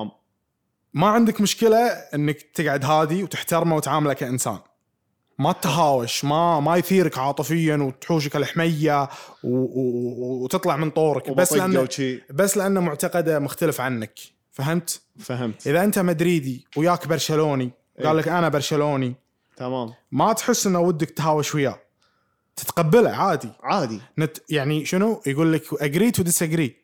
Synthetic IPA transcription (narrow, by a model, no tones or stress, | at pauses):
maʕɪnd̪ɪkmʊʃkɪlaʔɪnːakt̪ɪɡʕad̪ɦaːðiwt̪ɪħt̪ɑɾmawt̪ʕaːmalakaʔɪnsa̰ːn | mat̪ɦaːwaʃmamajθiːɾɪkʕɑːt̪ˤɨfɪjːawt̪ħuːʃ̬akɪlħmajːaw | t̪ɨt̪ˤlɑʕmənt̪ˤoːɾɑkbasːʔanibasːlɪʔanːamʊʕt̪aqɑd̪amʊxt̪alɪfʕanːak | faɦɪmt̪ | fahɪmt̪ʔɪðaʔɪnt̪amad̪ɾiːd̪iwjaːkbɑɾˤʃaloːni | ɡaːlːɪkʔanabɑɾˤʃaloːni | t̪amaːmmat̪ħɪsːʔɪnːawɪd̪ːak̚t̪ɦaːwaʃwajːa | t̪ɪ̥t̪qabːɪla̰ʕaːd̪iʕaːd̪inajaʕniʃɪnujɡuːlːɪkʔaɡɾiːt̪wd̪ɪsaɡɾiː